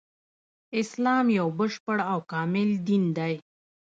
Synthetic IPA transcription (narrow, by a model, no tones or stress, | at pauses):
ɪslɑːmjawbəʂpəɽawkɑːmɪld̪ind̪aj